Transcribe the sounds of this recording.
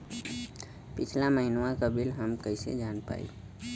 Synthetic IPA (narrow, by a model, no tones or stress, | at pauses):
pit͡ʃʰlaməɦinwãkəbʱilɦəmkəɪsḛd͡ʒanpa̰ḭ